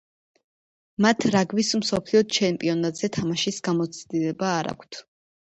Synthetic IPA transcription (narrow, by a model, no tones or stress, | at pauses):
mat̪ʰɾaɡvismsɔpʰliɔt͡ʃʰɛmpʼiɔnat̪ʼz̥ɛt̪ʰamaʃisɡamɔt̪sʰd̪ilɛbaːɾa̰kʷʰt̪ʰ